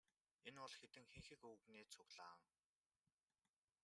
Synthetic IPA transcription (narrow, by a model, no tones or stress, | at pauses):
enʊɮxet̪ɘ̆ŋxeŋxɘ̆kɵɣneːt͡sʰʊɣɮaːŋ